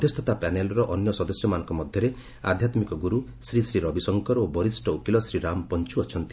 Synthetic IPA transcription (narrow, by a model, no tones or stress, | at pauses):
d̪ʱest̪ʰɔt̪apɛnelɔɾɔʔɔnjɔsɔd̪ɔsjɔmanɔŋkɔmɔd̪ʱjɔɾe | a̰d̪ʱjat̪mikɔɡuɾu | sɾisɾiɾɔbisɔŋkɔɾobɔɾisʈɔukilɔsɾiɾamɔpɔnt͡ʃuɔt͡ʃʰɔnt̪i̥